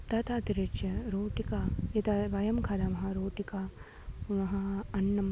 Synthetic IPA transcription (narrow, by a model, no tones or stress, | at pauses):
t̪ɐt̪ʰɐt̪iɾet͡ʃjɐɾoːʈikaɐt̪ɐʋɐjɐmkʰɐlɐmɐɦɐɾoːʈika | punɐɦɐɐnːɐm